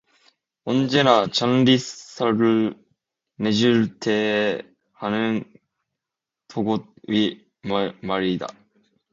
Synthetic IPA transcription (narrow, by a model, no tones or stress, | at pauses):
õnd͡ʑenat͡ɕãnɾʲissaɾɯ | neʑiɾɯt̪ʰe | hanɯn | t̪ʰoɡoi | mmaɾʲid̪a̰